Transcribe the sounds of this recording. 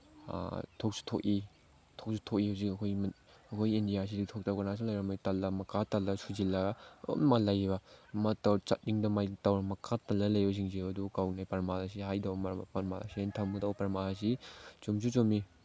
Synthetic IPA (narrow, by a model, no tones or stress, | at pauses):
tʰok̚su̥tʰoki | tʰok̚sutʰok̚ihawzikɐkʰojm | ɐkʰojindijasiditʰok̚tawkɐnas̬ulajɾɐmatalːɐmɐkʰatalːɐsuzilːɐɡo̰malajbɐmatawt͡ʃat̚diŋdɐmajtawɾɐmɐkʰatalːɐlɐjos̬iŋziɐdukawnajpɐɾmalɐs̬iɦajdawmpɐɾma̰la̰sientʰɐmutawpɐɾmalas̬it͡ʃumz̬ut͡ʃomi